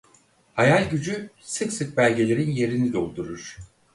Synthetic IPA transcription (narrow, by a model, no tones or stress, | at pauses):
hajalʲɟyd͡ʒy | sɯksɯk̚bælʲɟe̞lʲe̞ɾinje̞ɾinid̪o̞lˠd̪uɾuɾ̥